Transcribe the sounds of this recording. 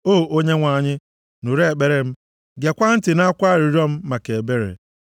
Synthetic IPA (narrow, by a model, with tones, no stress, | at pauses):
oː˦˨ʔo˦ɲe˦ŋʷa˨ɲɪ˦ | nu˨ɾe˦e˨k͡pe˦ɾe˨m̩˦ | ɡe˨kʷa˦n̩˦tɪ˨na˦kʷa˦˨ɾi˨ɾɔ˦m̩˦ma˨ke˨be˦ɾḛ˨